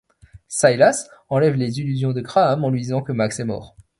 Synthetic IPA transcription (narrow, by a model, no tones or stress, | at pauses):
sajlasɑ̃lɛvlezilyzjɔ̃d̪əkχaːmɑ̃lɥid̪izɑ̃kəmaksɛmɔ̰ːʁ